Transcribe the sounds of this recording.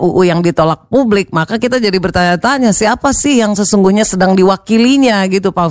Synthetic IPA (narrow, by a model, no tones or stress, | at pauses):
uʔujaŋdit̪olak̚publɪk̚makakit̪ad͡ʒadibərt̪aɲat̪anɲasiapasɪhjaŋsəsuŋɡuhɲasədaŋdiwakiliɲaɡit̪upa